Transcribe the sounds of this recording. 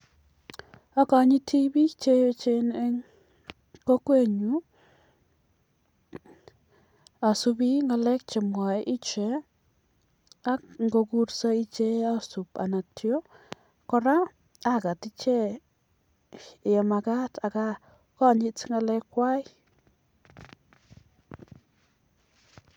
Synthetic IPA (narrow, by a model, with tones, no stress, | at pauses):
a˦ka˨ɲɪ˦ti˦bi˦t͡ʃe˦jt͡ʃe˦ne˦ | ko˦kwe˦ɲu˦ | a˨su˦bi˦ŋa˨lɛ˦k̚t͡ʃɛ˨mwa˨ʔɪ˦t͡ʃe˨ | a˦kŋɡo˧ku˦ɾsa˦i˦t͡ʃe˦a˦su˨pa̰˨na˨tjo˦ | kɔ˦ɾa˦ | a˦ka˨ti˦t͡ʃe˦˨ | ja˨ma˨ka˦tʰa˨ka˦ | kɔ˦˨ɲɪ˦tŋɡa˨lɛ˦kwa˦j